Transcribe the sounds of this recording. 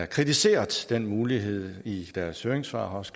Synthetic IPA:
ɐkʰʁit͡sʰise̝̰ːɐðˠd̥en̰muːliɦe̝ð̞̰ˠid̥æɐsøːeŋsfɑ̰̈ːɦɒ̽sɡ̥

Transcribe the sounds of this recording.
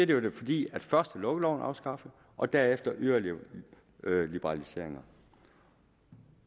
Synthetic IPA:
eɐd̥ejo̝d̥e̝fɒ̽d̥ḭːæd̥fɶɐsd̥əlɔ̽ɡ̥əlɒʊnɑ̈ʊsɡ̥ɑ̈fə | ʔɒ̽d̥æɐefd̥ɐʔøɐli | lib̥əʁɑ̈lise̝̰ɐ̰e̝ŋɐ

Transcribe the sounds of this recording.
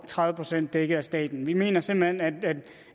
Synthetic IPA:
t͡sʰʁɑ̈ðˠʋəpʰʁosen̰d̥ːeɡ̥əæsd̥ɛ̰ːd̥n̩ʋime̝̰ːnɐse̝mb̥l̩henæd̥æd̥

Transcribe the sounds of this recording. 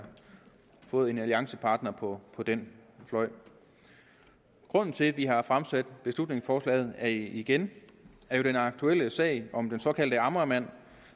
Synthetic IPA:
fɔ̽ːð̩ˠe̝næliɑ̈ŋsəpʰɑ̈ːd̥nɐpʰɒ̽pʰɒ̽d̥enflɒ̽ɪ̰ | ɡ̥ʁɔ̽n̰n̩t͡sʰe̝ʋiɦɑ̈fʁamsæd̥b̥e̝slud̥ne̝ŋsfɒːslɛ̰ːð̩ˠæɐiɡ̥en | æɐjo̝d̥enɑ̈ɡ̥̚t͡sʰuel̰əsɛ̰ɪʔɒ̽md̥ensɒ̽kʰæl̰d̥əɑ̈mʁɐmæn̰

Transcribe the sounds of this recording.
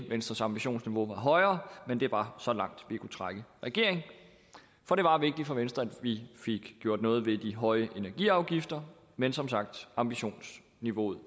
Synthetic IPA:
ʋensd̥ʁɐsɑ̈mb̥iɕo̝̰ːnsniʋo̝ʋɑ̈ɦɒ̽ɪɐːmend̥e̝b̥ɑ̈sɒ̽lɑ̈ŋ̰d̥ʋikʰut͡sʰʁaɡ̥əʁɛɡ̥e̝ɐ̰e̝ŋ | fɒ̽ɾ̥e̝ʋɑ̈ʋe̝ɡ̥d̥i̥fɒ̽ʋensd̥ʁɐæd̥ʋife̝ɡ̥ɡ̥jo̝ɐ̰d̥nɔ̽ːð̩ˠʋe̝d̥iɦɒ̽ɪəʔe̝næɐɡ̥ḭɑ̈ʊɡ̥ifd̥ɐ | mensɒ̽msɑ̈ɡ̥̚d̥ɑ̈mb̥iɕo̝̰ːns | niʋo̝̰ð̩ˠ

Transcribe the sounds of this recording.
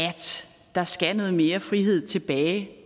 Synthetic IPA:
æd̥ | d̥ɑ̈sɡ̥ænəð̩ˠme̝ːɐfʁiɦe̝ð̞̰ˠt͡sʰe̝b̥ɛːɪ

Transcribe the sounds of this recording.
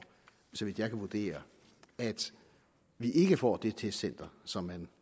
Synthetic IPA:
sɒ̽ʋid̥jɑ̈ɪkʰæʋud̥e̝̰ːɐ | æd̥ | ʋiʔe̝ɡ̥əfɒ̰ːd̥e̝t͡sʰe̝̥sen̰d̥ɐsɒ̽mːæn

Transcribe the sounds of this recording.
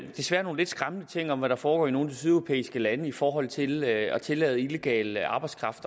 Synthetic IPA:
d̥e̝sʋæɐ̰no̝ːn̩le̝d̥sɡ̥ʁamənət͡sʰe̝ŋ̰ɒ̽mʋæɾ̥ɑ̈fɒːɡ̥ɒ̰ːino̝ːn̩isyðˠæʊo̥pʰḛːisɡ̥əlænəifɒːɦɒ̽l̰t͡sʰe̝lɒ̽t͡sʰe̝lɛ̰ːð̞̩ˠileɡ̥ɛ̰ːləɑ̈b̥ɑ̈ɪdskʰʁɑ̈fd̥ɐ

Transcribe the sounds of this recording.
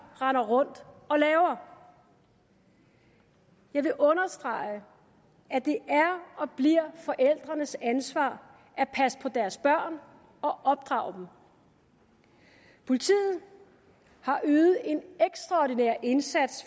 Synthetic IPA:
ʁɑnɐʁɔ̽n̰d̥ɒ̽lɛːʊɐ | jɑ̈ɪʋe̝ʔɔ̽nɐsd̥ʁɑ̈ɪə | æd̥e̝ʔæɐɒ̽b̥liɐ̰fɒ̽ʔel̰d̥ʁɐnəsænsʋɑ̰̈ː | æpʰæsə̥pʰɒ̽d̥æɐsb̥ɶɐ̰n | ɒ̽ʔɒ̽b̥̚d̥ʁɑ̰̈ʊ̰d̥em̩ | pʰo̝lit͡sʰḭːð̩ˠ | hɑ̈ʔyːð̩ˠe̝neɡ̥sd̥ʁɑ̈ɒdinɛɐ̰ʔe̝nsæd̥s

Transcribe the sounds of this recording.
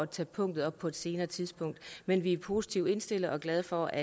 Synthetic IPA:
ɒt͡sʰɛːpʰɔ̽ŋ̰d̥ð̩ˠɒ̽b̥̚pʰɒ̽e̝d̥se̝ːnɐːt͡sʰiðˠsb̥ɔ̽ŋ̰d̥menʋiæpʰo̝si̥t͡sʰiʊ̰e̝nsd̥e̝l̰ð̩ˠɒ̽ɡ̥lɛðˠfɒ̽æ

